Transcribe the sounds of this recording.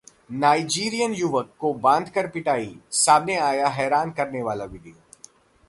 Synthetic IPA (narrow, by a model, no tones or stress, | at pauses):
naːid͡ʒiːɾijənjʊʋəkːobãːnd̪ʱkɐɾpɪʈaːisaːmneaːjaɦɛːɾaːnkɐɾneʋaːlaʋɪd̪io